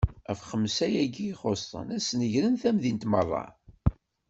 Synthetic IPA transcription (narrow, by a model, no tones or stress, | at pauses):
æfχəmːsæjæɡiːχost̪ˤə̰næsnəʝɾənθæmðint̪mərˤːɑ̰